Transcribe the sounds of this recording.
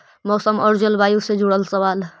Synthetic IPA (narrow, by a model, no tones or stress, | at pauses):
mɔːsəmɔɾd͡ʒəlbʱajused͡ʒuɽəlsəβaːl